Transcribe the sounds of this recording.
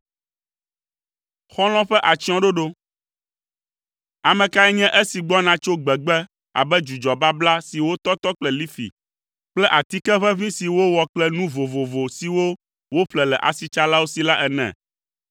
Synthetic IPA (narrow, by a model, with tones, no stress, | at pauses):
xɔ̃˦l̃ɔ̃˦ɸɛ˦ʔa˨t͡ʃi˦ɔ̃˦ɖo˦ɖo˦ | a˨mɛ̃˨ka˦ɛ˦ɲɛ̃˦ʔe˦si˨ɡ͡bɔ˦nã˨t͡ʃo˦ɡ͡bɛ˨ɡ͡bɛ˦ | a̰˨bɛ˦d͡ʒu˨d͡ʒɔ˨ba˦bla˦si˨wo˦t̪ɔ˦t̪ɔ˦k͡plɛ˦li˦fḭ˨ | k͡plɛ˦ʔa˨t̪i˦kɛ˦ɸɛ˦vĩ˦si˨wo˦wɔ˨k͡plɛ˦nũ˦vo˨vo˨vo˨si˨wo˦ | wo˦ɸlɛ˨lɛ˨ʔa̰˨si˨t͡ʃa˦la˦wo˦si˨la˦ʔɛ˨nɛ̰̃˨